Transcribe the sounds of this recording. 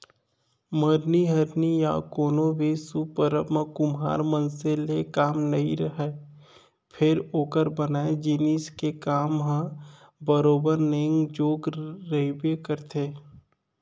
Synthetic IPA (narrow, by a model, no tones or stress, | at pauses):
məɾniɦɐɾnija̰koːnobʱisupəɾəmãkʊmɦa̰ːɾmə̃nselekaːmnɐiɾəɦɛ | pʰɪɾoːkəɾbənaːed͡ʒɪniːskekaːmɦã | bəɾoːbəɾneːŋɡd͡ʒoːɡɾəɦibekəɾt̪ʰeː